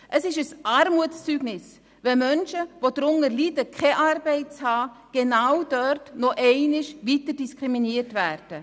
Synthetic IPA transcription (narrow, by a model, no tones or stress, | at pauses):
ʔəsɪʃəsʔaːɾmuətt͡syːɡnɪs | ʋɛmœnʃəvodɾʊŋəlidəkʰɛʔaːɾbɛɪtt͡shɑː | ɡ̥enawd̥œrtnɔʔɛɪnɪʃvitəd̥iskʁiminiərtvæːɾd̥ə